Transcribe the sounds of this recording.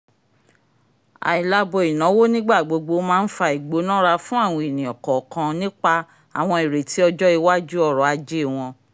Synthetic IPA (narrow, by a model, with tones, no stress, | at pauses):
a̰˨i˨la˧bo˨i˨nã˨˦wo˦nĩ˦ɡ͡ba˦˨ɡ͡bo˧ɡ͡bo˧mãː˦n̩˦fa˧i˨ɡ͡bo˨˦nã˦ɾa˧fũ˦a˦˨w̃ɔ̃˧˦e˨nĩ˨ɔ˨kɔ˨kã˧nĩ˦k͡pa˧ | a˨w̃ɔ̃˧i˨ɾe˨ti˨˦ɔ˧d͡ʒɔ˦i˧wa˦d͡ʒu˦ɔ˦˨ɾɔ˨˦a˧d͡ʒe˦˨w̃ɔ̃˧